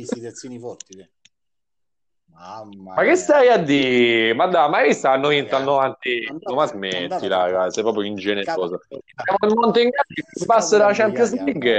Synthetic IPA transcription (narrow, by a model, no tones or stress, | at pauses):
makːesːɛjad̪ːimad̪ːamːaaɾist̪aanːovint̪anːoavant̪inomazment̪ːilaɡasɛjp̬ɾɔːp̬ɾjoind͡ʒɛneoːzojaːmonelmont̪oiŋɡad͡ʒepasːed̪at͡ʃɛnt̪əzliɡ